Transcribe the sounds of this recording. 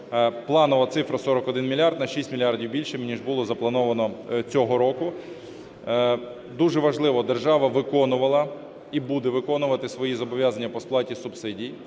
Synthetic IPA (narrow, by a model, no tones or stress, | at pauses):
plˠɑnʊʋɐt̪sɪfɾɐsɔɾɔkɔd̪ɪnmʲilʲɑrd̪nɐʃisʲtʲmʲilʲiɑrdʲiwbʲilʲʃɪmnʲiʒbʊlˠɔzɐplˠɐnɔʋɐnɔt͡sʲɔɦɔɾɔkʊ | d̪uʒɛʋɐʒlˠɪʋɔd̪erʒɑʋɐʋɪkɔnʊʋɐlˠɐ | ibud̪ɛʋɪkɔnʊʋɐt̪ɪsʋɔjizɔbɔʋʲjɑzɐnʲːɐpɔsplˠɑtʲisʊbsɪdʲij